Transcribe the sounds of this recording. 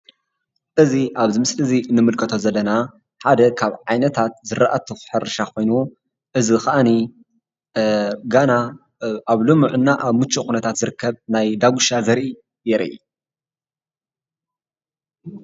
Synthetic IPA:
ʔɨziʔaβzɨmɨslɨzinɨmɨlkʰɐt̪ʰo̞zɐlːɐna | ħad̪ɐkʰaβʕajnɐt̪ʰat̪zɨɾaʔat̪ʰixħɨrɨʃakʰo̞jnu | ʔɨzixɐʔani | ɡana | ʔaβlumuʕɨnːaʔaβmɨt͡ʃʰːuxʼunɐt̪ʰat̪zɨɾɨkːɐβnajd̪aɡuʃazɐɾʔi | jɛɾʔḭ

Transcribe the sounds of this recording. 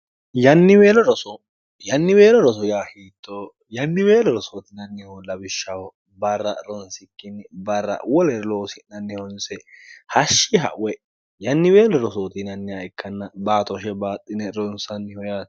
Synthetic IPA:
jɐnːɪweːlɔɾɔsɔ | jɐnːɪweːlɔɾɔs̬ɔjaːhiːt̪ʰːo | jɐnːɪweːlɔɾɔsot̪ɪnɐnːɪjawɔlːɐbɪʃːɐwɔ | bɐrːɐ̰ɾɔnsɪkːɪnːbɐrːɐ̰wɔlɛloːsɪnːɐnːɛhɔnsɛhɐʃːɪɦɐ̰ʔʊwɛ | jɐnːɪweːlɔɾɔsot̪ɪnɐnːɪɐɪkʰːɐnːɐbaːt̪ɔʃɛbaːt̪ʼːɪnɛɾɔnsɐnːɪhɔja

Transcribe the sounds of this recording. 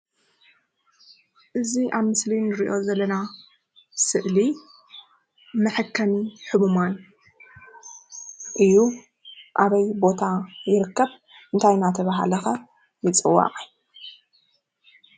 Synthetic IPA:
ʔɨziʔaβmɨslinɨɾiʔo̞zɐlːɐna | sɨʔli | mɐħɨkʰːɐmiħɨmuman | ʔɨjːu | ʔaβɐjbo̞t̪ʰajɪɾɨkːɐβ | ʔɨnt̪ʰajnat̪ʰɐβaɦa̰lɐxɐ | jɨt͡sʼɨwːa̰qʼa

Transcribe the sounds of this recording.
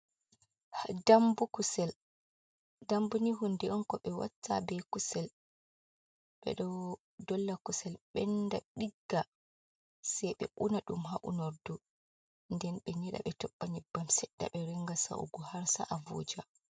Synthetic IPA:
hdambukusɛl | dambuniɦundɛɔnkɔɓɛwa̰tːa̰bɛkusɛl | ɓɛ̰ɗɔw | dɔlːakusɛlɓɛnːdaɗiɡːa | sɛjɓɛ̰ʔunaɗumɦaʔṵnɔɾdu | ndɛnɓɛɲɛɗa̰ɓɛtɔɓːaɲibamsɛɗːa̰ɓɛɾɛŋɡasa̰ṵɡɔhaɾsa̰ʔavo̰ːd͡ʒa

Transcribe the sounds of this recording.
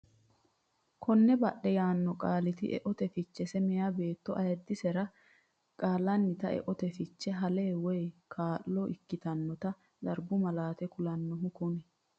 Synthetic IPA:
kʰɔnːɛbɐɗːɛjaːnːɔkʼaːlɪt̪ɪ̰ʔɛ̰ʔɔt̪ɛfɪt͡ʃːɛsɛmɛjaːbe̞ːt̪ːɔʔɐjɐd̪ːɪsɛɾɐ | kʼaːlɐnːɪt̪ɐɛ̰ʔɔt̪ɛfɪt͡ʃːɛɦɐleːwɔjkʰaːʔːɔʔɪkːɪt̪ɐnːɔt̪ɐ | d̪ɐɾbʊmɐlaːt̪ɛkʊlɐnːɔɦʊkʊnɛ

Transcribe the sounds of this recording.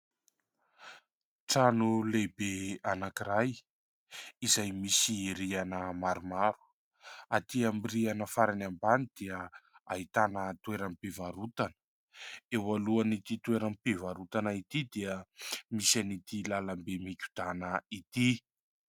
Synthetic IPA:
ʈ͡ʂanulebeanakiɾaj | izajmisiiɾianəmaɾumaɾu̥ | at̪iamirianəfaɾanambanid̪̥eəa̰ɦit̪anət̪weɾampevaɾut̪anə̥ | ewaluanit̪it̪ueɾampevaɾut̪anait̪id̪iəmisanit̪ilalambemikʲu̥d̪̥anəit̪i

